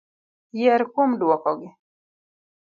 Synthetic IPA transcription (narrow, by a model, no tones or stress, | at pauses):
jɛɾkwomdwɔkɔɡɪ